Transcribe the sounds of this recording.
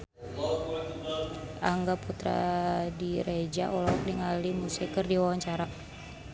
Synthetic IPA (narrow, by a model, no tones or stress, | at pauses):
ʔaŋɡaput̪ɾa̰diɾed͡ʒa̰ʔɔlɔk̚niŋalimusikərdiwawaɲt͡ʃaɾa